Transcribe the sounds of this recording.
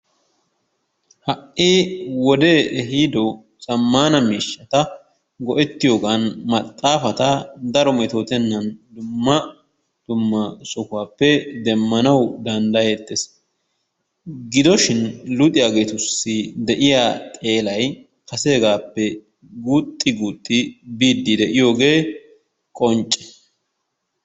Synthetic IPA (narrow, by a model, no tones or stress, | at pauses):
hɐʔiːwɔd̪eːʔɦid̪ɔ | sʼɐmːaːnɐmiːʃːɐt̪ɐ | ɡɔʔɛt̪ːɪjo̞ːɡanmɐt̪ʼːaːfɐt̪ɐd̪ɐɾɔmɛt̪o̞ːt̪ɛnːɐnd̪ʊmːɐ | d̪̥ʊmːɐsɔkʊwaːpːɛd̪ɛmːɐnɐwd̪ɐnd̪ɐjeːt̪ːes | ɡɪd̪ɔʃɪnlʊt̪ʼɪjaːɡe̞ːt̪ʊsːɪd̪ɛʔɪjaːt̪ʼe̞ːlɐj | kɐseːɡaːpːɛ | ɡuːt̪ʼːɪɡuːt̪ʼːɪbiːd̪ːɪd̪ɛʔɪjo̞ːɡe̞ː | kʼɔnt͡ʃʼːɛ̥